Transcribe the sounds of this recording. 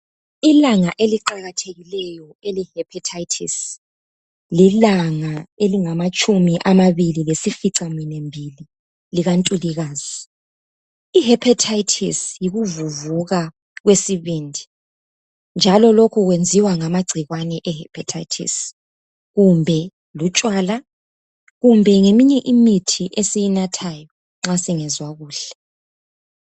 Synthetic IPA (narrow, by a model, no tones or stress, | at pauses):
ilaŋaʔeliǃaɣatʰeɣilɛjɔ | elihɛpʰatʰajtʰḭs | lilaŋaeliŋamat͡ʃʼumiʔamaβililesifiǀaminɛmbʱili | liɣantʼuliɣaːz̥i | iɦɛpʰatʰaitʰḭsjiɣuvuvuɣa | ɣwesiβindʱi | nd͡ʒʱalɔlokʰuɣwend͡zʱiwaŋamaɡ͡ǀʱiɣwanɛʔɛhɛpʰatʰaitʰḭs | ɣumbʱɛ | lut͡ʃʼwaːla | ɣumbʱɛŋemiɲɛʔimitʰiʔesijinatʰajɔ | ŋ͡ǁasiŋɛzwaɣuːɬɛ̥